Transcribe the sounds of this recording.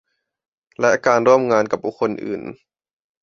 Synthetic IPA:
lɛ˦˥ʔkaː˧nɾu˥˩əmŋaː˧nka˨˩p̚buː˨˧˩kʰːo˧nʔɯ̰ː˨˩n

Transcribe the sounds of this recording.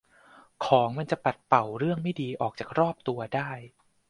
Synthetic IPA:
kʰɔː˩˦ŋma˧nt͡ɕa˨˩pa˨˩t̪̚pa˨˩wɾɯ˥˩əŋma˥˩jdiː˧ʔɔː˨˩k̚t͡ɕaː˨˩k̚ɾɔː˥˩p̚t̪u˧ɐdaː˥˩j

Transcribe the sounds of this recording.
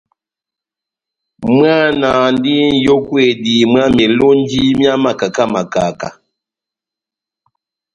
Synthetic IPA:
m˦a˦na˨n˦di˦n̩˨jo˦kwe˨di˨mwa˦mɛ˨lo˦n˦d͡ʒi˦mja˦ma˨ka˨ka˦ma˨ka˨ka̰˨

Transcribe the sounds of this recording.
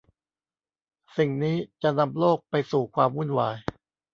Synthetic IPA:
si˨˩ŋniː˦˥t͡ɕa˨˩na˧mloː˥˩k̚pa˧jsuː˨˩kʰwaː˧mwu˥˩nwaː˧j

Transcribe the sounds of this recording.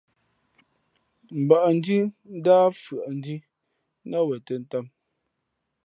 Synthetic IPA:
m̩˨ba˨ʔn̩˦di˦n̩˦daː˦fɰa˨ʔn˦di˦ | na˦wɛ˨te˨n̩˦ta˦m

